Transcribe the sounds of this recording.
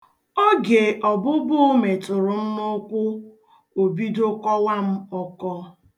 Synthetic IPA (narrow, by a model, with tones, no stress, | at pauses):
ɔ˦ɡe˨ʔɔ˨bʊ˦bʊ˦o˦me˨tʊ˨ɾʊ˨m̩˦mʊ˦kʷʊ˦ | o˨bi˦do˦kɔ˦wa˦m̩˦ɔ˦kɔ˦